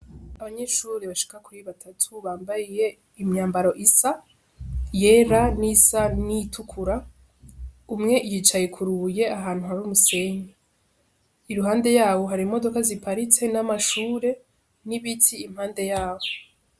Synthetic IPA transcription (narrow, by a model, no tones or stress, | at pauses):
aβaɲe̞ʃuːɾiβaʃi̥kakuɾiβatʰatʰuβaːmbajije̞ | imɲaːmbaɾo̞ʔisa | je̞ɾanisanitʰukʰuɾa | umŋe̞ʔijit͡ʃajekʰuɾuje̞aɦaːn̥huhaɾuːmuse̞ɲe | iɾuɦaːnde̞jaːβo̞ɦaɾimo̞do̞kazipʰaɾit͡se̞namaʃuːɾe̞ | niβitʰiːmhaːnde̞jaːβo